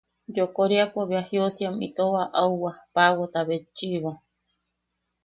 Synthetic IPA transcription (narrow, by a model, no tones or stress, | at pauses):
d͡ʒokoɾiapoβiahiosijamḭt̪oβaʔauwapawot̪aβet͡ʃiβo